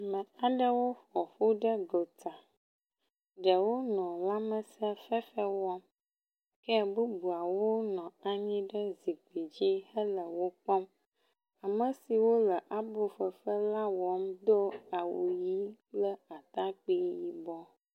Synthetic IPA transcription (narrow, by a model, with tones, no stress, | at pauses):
mə̃˨a˨ɖə˦wo˦ɸɔ˨ɸu˦ɖə˦ɡo˨t̪a˨ | ɖə˨wo˦nɔ̃˨la˦mə˨sə˦fɛ˦fə˦wɔ˦m | kɛ˦bu˦bu˨a˨wo˦nɔ̃˨a˦ɲĩ˦ɖə˦zi˨ɡ͡bi˨d͡ʑi˦hə˦lə˨wo˦k͡pɔ˦m | a˨mə˨si˨wo˦lə˨ʔa˨bo˨fə˨fə˦la˦wɔ˨˦md̪o˦a˨wṵ˨ji˦k͡plə˦a˨t̪a˦k͡pi˦ji˦bɔ˦